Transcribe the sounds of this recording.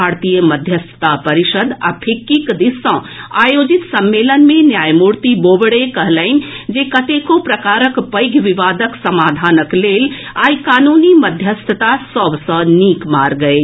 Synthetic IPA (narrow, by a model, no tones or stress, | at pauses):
baɾt̪ijəməd̪ʱjəst̪ʰə̥t̪apəɾiʃəd̪a̰pʰikːikd̪isːə̃ | ajod͡ʒit̪səmːelənmenjajmuɾt̪ibobɽekəɦləɪnd͡ʒekət̪ekopɾəkaɾəkpəjɡʱʋiʋad̪əksəmad̪ʱanəklelajkanuniməd̪ʱjəst̪ʰət̪asəbsə̃nikmaɾɡəe